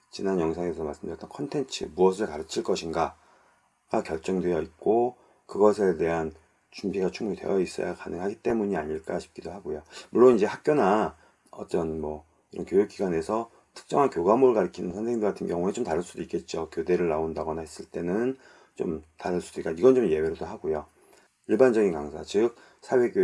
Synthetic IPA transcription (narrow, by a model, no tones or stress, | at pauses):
t͡ɕinanjʌŋsʰaŋes̬ʰʌma̰ɭs͈ɯmdɯjt͈ʌnkʰʌntʰe̞nt͡ɕʰɯ̰muʌsʰɯɭkaɾɯt͡ɕʰiɭk͈ʌɕʰinɡa | ɡ̥akjʌɭt͡ɕ͈ʌŋdwe̞jʌit̚k͈o | kɯɡʌsʰete̞ɦan | t͡ɕumbiɡat͡ɕʰuŋmuitwe̞̰jʌis͈ʌ̰ja̰kanɯŋɦaɡit͈e̞muɲiaɲiɭk͈aɕʰi̥p̚k͈idoɦaɡojomuɭːonind͡ʑe̞hak̚k͈jona | ʌ̰t͈ʌnmʌ | iɾʌnkjojuk͈̚iɡane̞sʰʌ | tʰɯ̥k̚t͡ɕ͈ʌŋɦankjoɡamoɾɭkaɾikʰinɯnsʰʌnsʰeiŋdoɡatʰɯnɡjʌŋuet͡ɕomtaɾɯɭs͈udoik͈e̞t̚t͡ɕ͈okjode̞ɾɯɭːaondaɡʌnaɦes͈ɯɭt͈e̞nɯn | t͡ɕo̰mtaɾɯɭs͈ud̥oik͈aniɡʌnt͡ɕomje̞weɾodoɦaɡojo | iɭband͡ʑʌɡinkaŋsʰa̰t͡ɕɯk̚ | sʰawe̞kjo